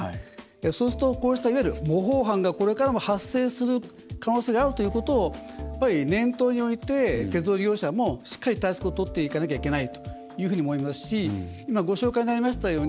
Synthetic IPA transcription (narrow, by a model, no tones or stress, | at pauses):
so̞ːsɨ̥t̪o̞ko̞ːɕi̥t̪aiβajɾɯ̟bo̞ɦo̞ːɦãŋɡako̞ɾe̞kaɾamo̞hasːe̞ːsɨɾɯ̟ | kano̞ːseːɡaːɾɯ̟t̪o̞jɯ̟ːko̞t̪o̞ːjjapːaɾʲinẽ̞nt̪o̞ːɲ̟io̞it̪e̞t̪e̞t͡sɨd̪oːɡʲo̞ːɕamo̞ɕi̥kːaɾʲit̪aisɨ̥kot̪ot̪ːe̞ikanak̬ʲaike̞nait̪o̞̥ | jɯ̟ːɸɯ̟ːɲiomo̞imasɨ̥ɕiimaɡo̞ɕo̞ːkaiɲ̟inaɾʲimaɕi̥t̪ajo̞ːɲi